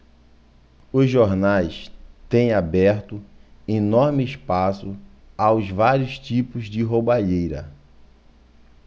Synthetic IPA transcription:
ʊzʒoɾnajst̪ẽj̃abɛɾt̪ʊinɔɾmɪːspasʊ | awzvaɾiʊst͡ʃipʊzd͡ʒɪɦobaʎejɾɐ̰

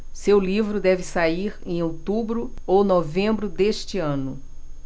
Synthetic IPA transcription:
sewlivɾʊd̪ɛvɪsaiɾẽj̃owt̪ubɾʊownovẽmbɾʊd̪eʃt͡ʃɪɐ̃nʊ

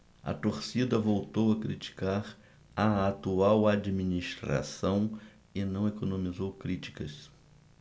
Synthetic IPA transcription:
ɐ̰t̪oɾsid̪ɐvowt̪owɐkɾit͡ʃi̥kaɾ | ɐat̪uawad͡ʒiminiʃt̪ɾa̰sɐ̃w̃ | ɪnɐ̃w̃ekonõmizowkɾit͡ʃi̥kɐs

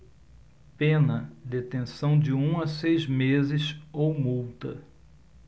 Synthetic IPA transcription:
pẽnɐd̪et̪ẽsɐ̃w̃d͡ʒɪũɐsejzmezɪsowmuwt̪ɐ̰

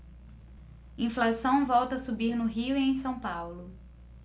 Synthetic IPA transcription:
ĩflasɐ̃w̃vɔwt̪ɐsubiɾnʊɦiʊiẽj̃sɐ̃w̃pawlʊ

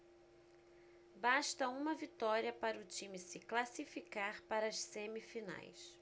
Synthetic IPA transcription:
baʃt̪ɐũmɐvit̪ɔɾiɐpaɾɐʊt͡ʃĩmɪsɪklasifikaɾpaɾɐɐʃsemifina̰js

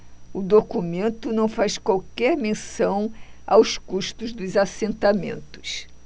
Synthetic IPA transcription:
ʊd̪okumẽnt̪ʊnɐ̃w̃fajskwawkɛɾmẽsɐ̃w̃a̰wskuʃt̪ʊzd̪ʊzasẽnt̪amḛ̃nt̪ʊ̥s

